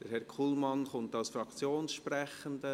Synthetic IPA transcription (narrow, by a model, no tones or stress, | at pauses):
d̥əɾhɛɾkʰuːlˠmɑnχʊntaʊsfɾɑkt͡sjoːnsʃprɛχənd̪ə